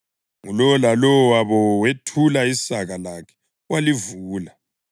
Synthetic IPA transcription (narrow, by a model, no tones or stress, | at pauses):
ŋulɔlalɔwaβɔwetʰulaisaɣalakʰɛ̥ | walivuːla